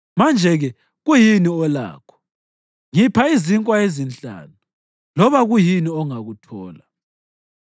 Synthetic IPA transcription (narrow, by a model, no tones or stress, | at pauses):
mand͡ʒʱɛɣɛ | ɣujiniɔla̰ːkʰɔ̥ | ŋipʰaiziŋkʼwaezint͡ɬʼa̰ːnu | lɔβaɣujiniɔŋaɣutʰɔːla